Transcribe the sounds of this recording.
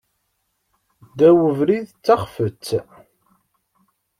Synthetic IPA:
d̪æwəvɾiðt͡sːaχfət͡sː

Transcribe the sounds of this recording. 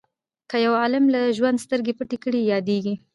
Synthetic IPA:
kəjawɑlɪmlaʒwand̪st̪əɾɡepəʈekəɽijɑd̪eɡi

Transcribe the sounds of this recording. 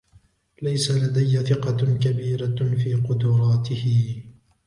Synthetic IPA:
lajsalad̪ajːaθɪqɑkabiːɾafiːqʊd̪ʊɾˤɑːt̪ɪhɪ

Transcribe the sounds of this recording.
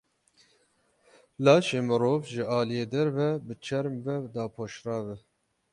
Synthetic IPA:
lɑːʃeːmɨɾoːvʒɨʔɑːlijeːd̪ɛɾvɛbɨt͡ʃʰɛɾmvɛd̪ɑːpʰoːʃrɑːvɛ

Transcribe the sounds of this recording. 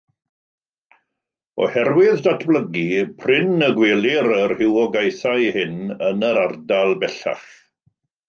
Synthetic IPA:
ɔ̰hɛrwɪðdatʰbləɡipʰrɪnəɡweːlˠiɾərhɪwɔɡajθajhɪnənəɾardalˠbɛɬa̰χ

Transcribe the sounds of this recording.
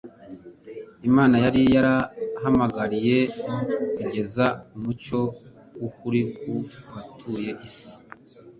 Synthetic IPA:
imaːnajaɾijaɾahamaɡaɾije̞kuɟe̞zaumut͡ʃo̞ | wukuɾikuβatʰuːje̞ʔisi̥

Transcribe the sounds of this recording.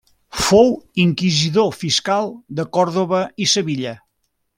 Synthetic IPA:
fowiŋkiziðofiskalˠd̪əkɔɾðoβ̞əisəβiʎə

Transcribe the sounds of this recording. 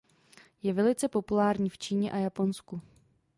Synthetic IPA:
jɛvɛlɪt͡sɛpo̞pulaːɾɲiːft͡ʃiːɲɛʔajapo̞nsku

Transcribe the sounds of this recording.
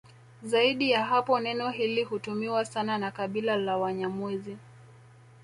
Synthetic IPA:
zaiɗijaɦapɔnɛnɔɦilihutumiwasananakaɓilalawaɲamuzi

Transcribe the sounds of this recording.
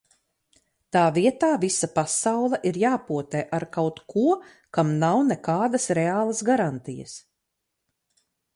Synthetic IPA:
t̪aːviɛt̪aːvisapasawlˠɛʔiɾjaːpuɔt̪ɛːʔaɾkawt̪kʰuɔ | kamnawnɛkaːd̪ɐsɾeaːlˠɐsɡaɾant̪ijə̰s

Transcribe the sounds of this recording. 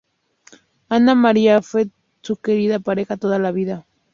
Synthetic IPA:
anamaɾiafwe | suke̞ɾiðapaɾe̞xat̪oðalaβiða

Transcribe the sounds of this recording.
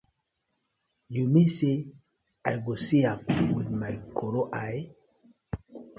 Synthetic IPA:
jumese | ajɡosiamwidmajkʰoɾoʔaj

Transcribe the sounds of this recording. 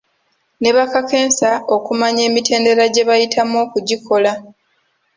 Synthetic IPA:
ne̞βakake̞ːnsao̞kumaɲe̞ːmite̞ːnde̞ɾaɟe̞βajitʰamo̞ːkuɟiko̞la

